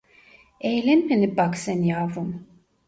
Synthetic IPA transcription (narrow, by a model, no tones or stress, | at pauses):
ejlʲɛnmenibaksɛnjaːvum